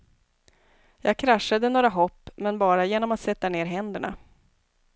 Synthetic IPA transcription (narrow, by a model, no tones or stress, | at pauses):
jɑːɡ̚kʰɾaʂːad̪ənoːɾaɦɔpːmɛnbɑːɾajeːnɔmat̪sɛt̪ːaneːɾɦɛnd̪əɳa̰